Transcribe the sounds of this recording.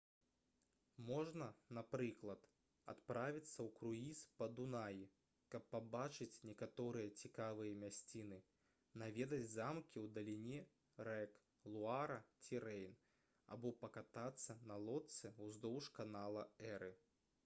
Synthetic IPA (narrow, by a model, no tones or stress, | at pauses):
mɔʐnɐnapɾɨklˠɐt̪ | a̰t̪pɾavʲit̪sːɐwkɾuispɐd̪unaji | kɐpːabat͡ʂɨt͡sʲnʲɛkat̪ɔɾɨjɐt͡sʲikavɨjɐmʲasʲt͡sʲinɨ | navʲɛd̪ɐd͡zʲzamkʲiwd̪ɐlʲinʲɛ | ɾɛk | lˠuaɾɐt͡sʲiɾɛjn | a̰bɔpɐkat̪at̪sːɐnɐlˠɔt̪sɨwzd̪ɔwʂkanalˠɐɛɾɨ